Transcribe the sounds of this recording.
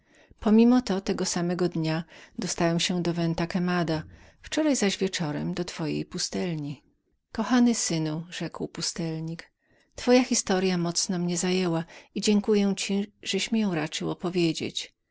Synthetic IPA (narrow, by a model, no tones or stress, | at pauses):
pɔmʲimɔt̪ɔt̪ɛɡɔsamɛɡɔd̪ɲad̪ɔst̪awɛmɕɛd̪ɔvɛnt̪akɛmad̪a | ft͡ʂɔɾajzaʑvʲjɛt͡ʂɔɾɛmd̪ɔt̪fɔjḛjpust̪ɛlɲi | kɔxanɘsɘnuʐɛkwpust̪ɛlɲik | t̪fɔjaxʲist̪ɔɾjamɔt̪snɔmɲɛzajɛwaid͡ʑɛŋkujɛ̃t͡ɕiʐɛɕmʲjɔ̃w̃ɾat͡ʂɘwɔpɔvʲjed͡ʑḛt͡ɕ